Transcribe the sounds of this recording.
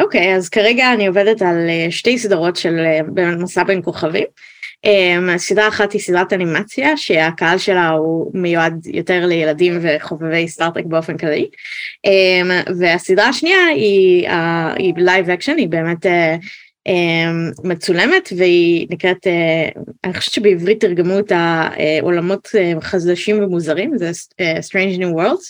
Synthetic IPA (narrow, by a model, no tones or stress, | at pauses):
ʔokejazkaʁeɡaːnio̞vedetaleʃte̞jsidaʁo̞tʃelebeːmetmasabenko̞χavim | ʔemasidʁaːχathisidʁatanimat͡sjaʃeakaɦalʃe̞laumejuadjoteʁlejeladimve̞χo̞vevejstaʁt̪ʁek̚be̞o̞fenklaliʔemveasidʁaaʃniaia̰ilajvakʃonibe̞ːmete | emːet͡sule̞metveinikʁeteaniχo̥ʃe̥v̥ett͡ʃʃebeivʁitːiʁɡemuetaḛʔo̞̰lamo̞teχazd̪aʃimvemuzɐʁimzɛestʁejnd͡ʒnuwɛʁld